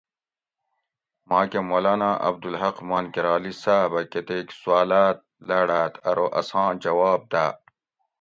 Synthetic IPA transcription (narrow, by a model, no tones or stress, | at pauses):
mãːkemoːlaːnaːʔɐ̰b̚d̪ulɦɐqmaːnkiɾaːlisaːbɐket̪eːksuaːlaːt̪̚lɐɽaːt̪ʰɐɾoʔɐ̰sɑ̃ːd͡ʑɐwaːb̚d̪aː